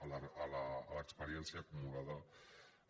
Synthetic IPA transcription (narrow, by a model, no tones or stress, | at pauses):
laːlaːləkspəɾiɛnsiaːkumulaðɐ